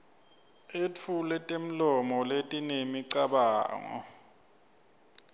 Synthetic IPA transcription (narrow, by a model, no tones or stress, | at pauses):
et͡fʰulɛtʼem̩lɔmɔletʼinemiǀaɓaːŋɔ̰